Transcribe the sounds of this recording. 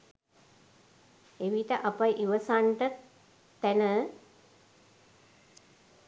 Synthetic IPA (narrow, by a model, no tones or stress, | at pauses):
eʋiʈəʔapajʔiʋəsaɳʈə | t̪ænə